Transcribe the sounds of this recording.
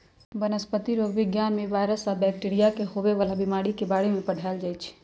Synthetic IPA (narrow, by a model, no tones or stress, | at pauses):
ʋənəspət̪iɾoːɡʋɪɡjaːnmẽʋaːjɾəsabɛːk̚ʈiːɾijakeɦoʋeʋalabɪmaːɽikebaːɽemẽpɐɽ̤ʱaːɪld͡ʒaːit͡ʃʰ